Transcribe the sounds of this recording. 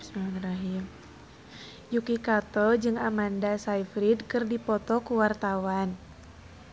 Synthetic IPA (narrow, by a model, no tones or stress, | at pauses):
saniraɦim | jukikat̪ɔd͡ʒɨŋamandasaifɾidkɨrdipɔt̪ɔkuwart̪awan